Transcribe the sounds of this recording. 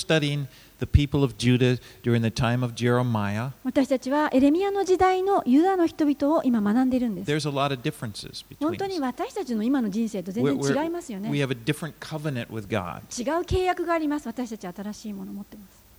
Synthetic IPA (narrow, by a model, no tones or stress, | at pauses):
stʌɾiɪ̃ŋ | ðɨpʰipl̩ˠʌvd͡ʒʉɾɨd̥ʊɹɪ̃ŋðɨtʰãɪ̃mʌvd͡ʒɛɹɨmaɪəβat̪aɕi̥t̪at͡ɕiβaʔe̞ɾe̞mʲiano̞d͡ʑid̪aino̞jɯ̟d̪ano̞çi̥t̪o̞bʲit̪o̞ːʔimamanãnd̪e̞iɾɯ̟̃nd̪esðə˞zəlɔɾʌvdɪfɹɨ̃nsɨ̰z̥bɨhʰõnt̪oɲ̟iβat̪aɕi̥t̪at͡ɕino̞imano̞d͡ʑĩɰ̃se̞ːt̪o̞zẽzẽt͡ɕiɡaimasɨjo̞neiɨvɨdɪfɹɨ̃nkʰʌvɨnɨ̃nʔwɪ̰ðɡɑ̰d̥̚t͡ɕiɡaɯ̟ke̞ːjakɯ̟ɡaːɾʲimasɨβat̪aɕi̥t̪at͡ɕiβaːt̪aɾaɕiːmo̞no̞mo̞t̪ːe̞masɨ̥